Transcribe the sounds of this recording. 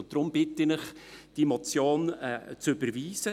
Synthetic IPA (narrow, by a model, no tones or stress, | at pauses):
ʊntd̥̪ɾʊmb̥ɪtɪnɪχd̥imɔt͡sjoːnɛt͡søbəɾviːzə